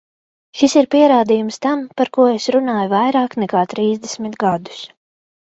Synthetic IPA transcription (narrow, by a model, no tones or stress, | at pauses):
ʃisiɾpiɛɾaːd̪ijumst̪ampaɾkuɔesɾunaːjuvajɾaːknɛkaːt̪ɾiːzd̪esmit̪ɡad̪u̥s